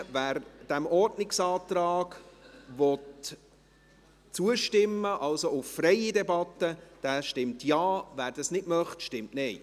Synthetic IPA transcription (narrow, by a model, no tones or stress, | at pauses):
væːɾd̥ɛmɔrdnɪksɑːt̪rɑːɡ̥vɔt | t͡suəʃtɪmːəʔɑlsoʊffrɛɪidɛbɑtːəd̥æːʃtɪmtjɑːvæːɾd̥ɑsnɪtmœχtʃtɪmtnɛɪ